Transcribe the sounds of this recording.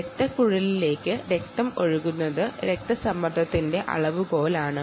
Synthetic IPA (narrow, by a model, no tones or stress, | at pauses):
ɾek̚t̪ɐkuɻɐlile̞ːkːɨɾek̚t̪ɐmoɻuɣunːɐðɨɾek̚t̪ɐsɐmːɐd̪ʱɐt̪ːinde̞ʔɐ̰ɭɐʋuɡo̞ːlaːɳɨ